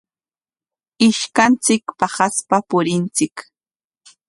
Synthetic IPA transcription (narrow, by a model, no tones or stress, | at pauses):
ɪʃkant͡sɪkpɑχaspapʊɾɪnt͡sɪk